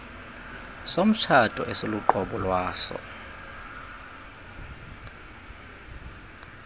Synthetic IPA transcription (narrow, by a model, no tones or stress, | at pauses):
som̩t͡ʃʰatʼɔ̰ʔɛsoluǃɔɓɔlwaːsɔ̰